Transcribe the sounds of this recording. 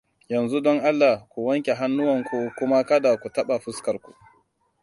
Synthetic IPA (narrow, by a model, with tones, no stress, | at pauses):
jɐ˨nzu˦dɔ˦ŋʔa˦lːa˨kʷu˨wɐ˦ŋkʲe˨ɦa˦nːʊ˦wɐ˨ŋkʷu˨kʷʊ˦ma˦kɐ˦da˨kʷu˨tɐ˦ɓa˨ɸʊ˦skɐ˨rkʷṵ˨